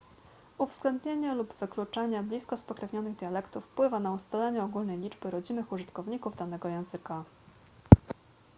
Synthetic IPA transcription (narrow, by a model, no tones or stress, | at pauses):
uvz̥ɡlɛnd̪ɲeɲalubv̥ɘklut͡ʂaɲablʲiskɔspɔkɾɛvɲɔnɘɣd̪ʲjalɛkt̪ufːpwɘvanaust̪alɛɲɛɔɡulnɛjlʲid͡ʐbɘɾɔd͡ʑinɘxuʐɘt̪kɔvɲikuvd̪an̪ɛɡɔjɛ̃w̃zɘka